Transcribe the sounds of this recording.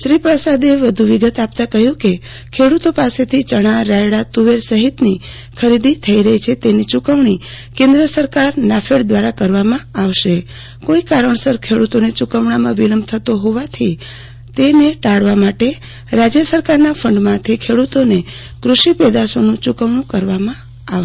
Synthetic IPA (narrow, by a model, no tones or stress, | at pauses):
ʃɾipɾəsad̪eʋəd̪ʱuʋiɡət̪apt̪ãkəɦjũke | kʰeɽut̪opaset̪ʰit͡ʃəɽ̃ãɾajɽat̪uʋeɾsəɦit̪ni | kʰəɾid̪it̪ʰəiɾəɦit͡ʃʰet̪enit͡ʃukəʋɳi | kẽnd̪ɾəsəɾkaɾnafʰeɽd̪ʋaɾakəɾʋamãaʋʃe | koikaɾəɳsəɾkʰeɽut̪onet͡ʃukəʋɳamãʋiləmbt̪ʰət̪oɦoʋat̪ʰi | t̪eneʈaɽʋamaʈe | ɾad͡ʒjəsəɾkaɾnafʰəɳɖmãt̪ʰekʰeɽut̪one | kɾuʃipɛd̪asonũt͡ʃukəʋɳũkəɾʋamã | a